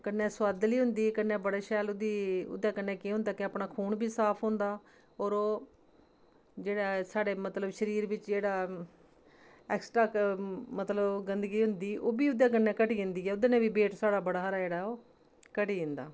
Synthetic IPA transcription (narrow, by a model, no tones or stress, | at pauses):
kənːɛ̃ːswaːd̪liːɦʊnd̪iːkənːɛːbəɽaːʃɛːlʊd̪iːʊ̰d̪aːkənːɛ̃ːkiːɦʊ̃nd̪aːkɪəːpɳaːkʰuːɳbiːsaːpʰɦõnd̪aː | ɔːɾoː | d͡ʒeːɽaːsaːɽeːmət̪ləbʃəɾiːɾʋɪt͡ʃd͡ʒeːɽaː | ɛːksʈɾaːmət̪ləbɡənd̪əɡiːɦʊnd̪iːʔoːbiːʊd̪jaːkənːɛ̃ːkəʈiːd̪ɪnd̪iːɛːʊd̪eːnẽːbiːbeːʈsaːɽaːbəɽaːɦəɾaːd͡ʒeːɽaːoː | kəʈiːd̪ɪnd̪a̰ː